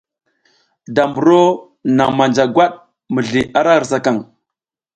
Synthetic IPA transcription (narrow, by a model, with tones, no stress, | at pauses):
da˨mbu˨ɾo˦ | na˨ŋma˨nd͡ʒa˨ɡwa˦ɗ̚ | mə˨ɮi˨ʔa˦ɾa˦˨ɾsa˦˨ka˦˨ŋ